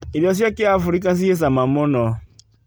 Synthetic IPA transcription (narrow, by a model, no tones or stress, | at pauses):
iɾjɔs̬jakɪafʊɾikas̬ies̬amamʊnɔ